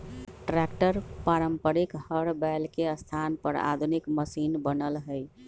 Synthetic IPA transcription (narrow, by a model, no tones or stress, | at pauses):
ʈɾɛkʈəɾpaɾəmpəɾikhəɽbɛlkeəst̪ʰanpəɾa̰d̪ʱunikməsinbənəlɦəɪ